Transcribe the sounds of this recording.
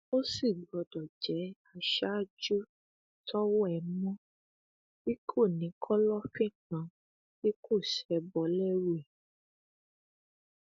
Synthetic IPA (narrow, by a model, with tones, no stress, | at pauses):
o˦si˦˨ɡ͡bɔ˨dɔ˨d͡ʒɛ˨˦a˧ʃa˦d͡ʒu˦ | tɔ˦wɔ˦ɛ˨mɔ̃˦ | bi˦kʰo˦˨nĩ˨˦kʰɔ˦lɔ˦fi˦˨kã˨˦ | bi˦kʰo˦˨ʃɛ˨˧bɔ˨˦lɛ˦wu˦ɛ˨